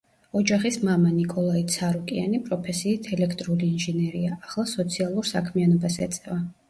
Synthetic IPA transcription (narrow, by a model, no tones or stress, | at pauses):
ɔd͡ʒaχismamanikʼɔlˠait̪sʰaɾukʼianipʼɾɔpʰɛsiːt̪ʰɛlɛkʰt̪ʼɾuliːnʒɛnɛɾiaʔːχlˠasɔt̪sʰialˠuɾsakʰmianɔbasɛ̰t̪sʼɛva